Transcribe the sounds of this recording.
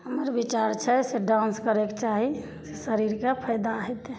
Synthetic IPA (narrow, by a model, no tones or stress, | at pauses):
ɦəməɾbit͡ʃaɾt͡ʃʰɛseɖãnskəɾekt͡ʃaɦi | sesəɾiɾkapʰəjd̪aːɦɛt̪ɛ